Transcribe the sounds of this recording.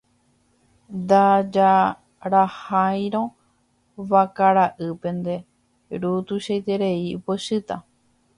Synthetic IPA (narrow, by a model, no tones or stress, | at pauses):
d̪ad͡ʒa | ɾahaj̃ɾõ̞ | ʋakaɾaʔɨpẽ̞nd̪e̞ | ɾut̪uʃejt̪e̞ɾe̞ipoʃɨt̪a